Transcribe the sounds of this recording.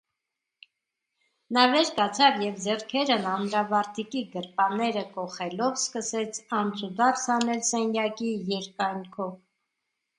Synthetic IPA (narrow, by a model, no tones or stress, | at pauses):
nɑvɛɾkɑt͡sʰɑvjɛvd͡zɛrkʰɛɾənɑnɾɑvɑɾt̪ʰikiɡəɾpɑnɛɾəkɔχɛlɔvskəsɛt͡sʰɑnt͡sʰud̪ɑrsʰhɑnɛlsɛnjɑkijɛɾkɑjŋkʰɔv